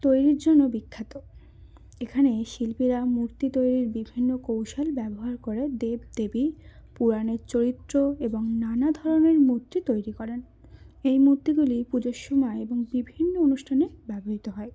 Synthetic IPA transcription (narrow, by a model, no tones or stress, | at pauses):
t̪ojɾiɾd͡ʑonːobikʰːat̪o | ekʰaneʃilpiɾamuɾt̪it̪ojɾiɾbibʱinːokowʃalbɛboɦaɾkoɾed̪eb̚d̪̥ebipuɾaneɾt͡ɕoɾit̪ːɾoeboŋnanad̪ʱɔɾoneɾmuɾt̪ːit̪ojɾikɔɾen | ejmuɾt̪iɡulipud͡ʑoʃːumaeeboŋbibʱinːoonuʃʈʰanebɛboɦit̪oɦɔe